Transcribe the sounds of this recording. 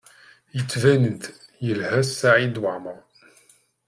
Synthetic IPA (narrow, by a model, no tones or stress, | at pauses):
jət͡sːvænənt̪jəlhæsːaʕid̪waʕməɾˤ